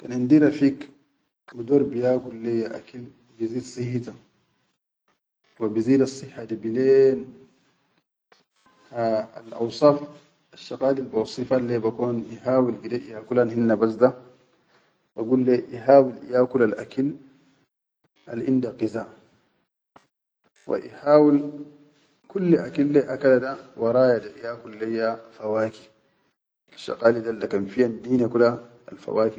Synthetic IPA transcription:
kanʕind̪iɾafiːk | bid̪oːɾbijaːkulːejaʔa̰kal | biziːd̪sˤihit̪a | wabiziːd̪ɑsˤːɨħːad̪ibileːn | aa̰lʔɑ̰wsˤɑːf | aʃːɑqaːlilbawsˤifalːebakoːnjiħaːwilɡideʔjaːkulanhinːabas̬d̪a | baɡuːlːeʔiɦaːwilḭjaːkulalʔa̰kil | ʔa̰lʔindaqiza | wa̰ʔḭhaːwil | kulːeʔakilːeʔakaladawɑɾˤɑːjadaʔijaːkulːejːafawaːki̥ | aʃːɑ̰qaːlidaldakamfijandiːnakula | alfa̰waːki

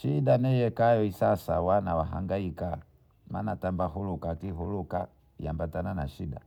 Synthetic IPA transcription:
ʃiɗanɛjɛkajɔisasa̰wanawaɦa̰ŋɡaika | ma̰natambaɦulukakiɦuluka | jambatananaʃiɗa̰

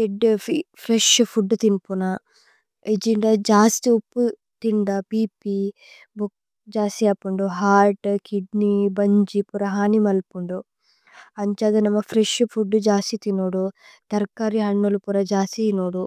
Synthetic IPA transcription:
eɖpʰɾeʂpʰuɖːut̪inpuna | ed͡ʒiɳɖɐd͡ʒaːst̪iupːu | t̪iɳɖɐpiːpi | buk̚ | d͡ʒaːsijaːpuɳɖuɦaːɾʈkiɖnibɐɲd͡ʒipuɾɐɦaːnimɐlpuɳɖu | ɐɲt͡ʃaːd̪ɐnɐmɐfʰɾeʂfʰuɖːud͡ʒaːsit̪inoːɽut̪ɐɾkaɾiɦɐɳːulupuɾɐd͡ʒaːsinoːɽu

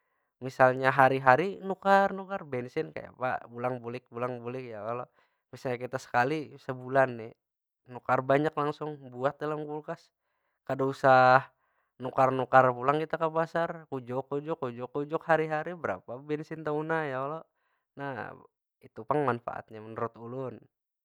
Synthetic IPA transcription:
misalɲaɦaɾiɦaɾinukarnukarbɛnsɪnka̰ja̰pa̰bulaŋbulɪk̚bulaŋbulɪkjaalo | misalɲakit̪asə̥kalisəbulanːɛ | nukarbaɲaklaŋsʊŋbuat̪̚dalamkulkas | kadausah | nukarnukarpulaŋkit̪akapasarkud͡ʒɔkːud͡ʒɔkːud͡ʒɔkːud͡ʒɔkhaɾiɦaɾibəɾa̰pabɛnsint̪aunajaɔlɔ | na̰ | it̪upaŋmanfa̰ʔa̰t̪̚ɲamənəɾut̪ulʊn

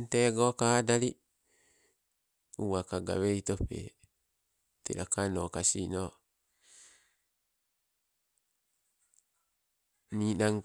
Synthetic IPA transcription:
nt̪eɡokadali | uwakaɡa̰weit̪opḛ | t̪ḛlakanokasino | ninaŋ

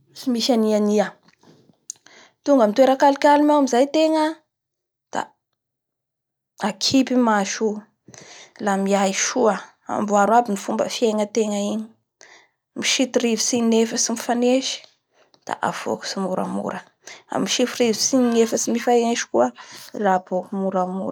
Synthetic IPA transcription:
imiʃaniania | t̪uŋɡəmit̪weɾakalikʲalimawamizajt̪eŋə | d̪̥a̰ | akʰipimaʃu | lamiajʃuə | a̰mbuaɾwabinifumbə̰fieŋət̪eŋəini̥ | miʃit̪irivisininefəsimifaneʃi̥ | d̪̥a̰ʔa̰v̥o̰ku̥simuɾa̰mṵɾə | a̰miʃifirivisininefəsimifaneʃi̥kuərabokumuɾamṵɾə

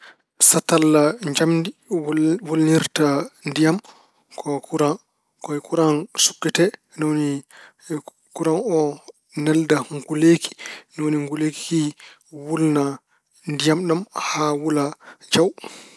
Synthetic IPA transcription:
satalːad͡ʒamdi | wolniɾtandijam | kʰɔkuɾan | kɔjkuɾansu̥kːɛtɛ | nɔwni | kuɾanɔ | nɛldaŋɡuleki̥nɔwoniŋɡuleki̥ki | wulna | ndijamɗumhawulad͡ʒaw

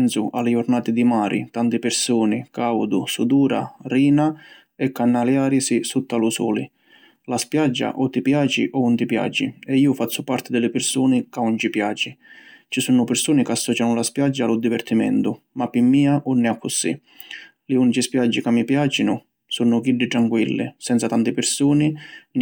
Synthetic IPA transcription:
nsʊ̰ʔa̰lɪʊrnaːt̪ɪd̪imaːɾʔḭt̪ant̪ɪpɪrsuːnɪkawd̪ʊsud̪uːɾa̰riːna | ɛkːanːaljaːɾisisut̪ːalusɔ̰ːlḭ | laspjad͡ʒːa̰ʔɔt̪ːipjaːt͡ʃḭʔɔunt̪ipja̰ːd͡ʒḭɛiːʊfat̪sːʊpart̪ɪd̪ɪlɪpɪrsuːnɪkaunt͡ʃipjaːt͡ʃit͡ʃisuːnʊpɪrsuːnɪkasːɔːt͡ʃanʊlaspjad͡ʒːaːlʊd̪ivɛrt̪imɛ̰nt̪ʊ | mapːimːiːaʔɔnːɪakʰːʊsḭ | lɪunt͡ʃispjad͡ʒːikamːipjaːt͡ʃinʊ | sunʊkiɖːɪʈ̪ɾaŋkwilːɪ̰sɛnt̪sat̪ant̪ɪpɪrsuːnɪn

